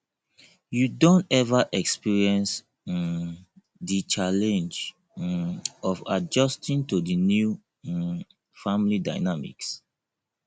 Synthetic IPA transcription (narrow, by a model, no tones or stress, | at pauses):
judõntɛvaʔɛkspiɹiɛ̃ns | dit͡ʃalɛ̃nd͡ʒ | ɔva̰d͡ʒɔstĩntudinju | fãmlida̰ɪnamḭks